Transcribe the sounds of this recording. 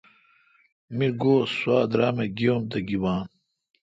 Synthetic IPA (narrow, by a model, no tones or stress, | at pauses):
miɾɡoːswaːd̪ɾaːmeɡiomt̪ɐɡiwaːn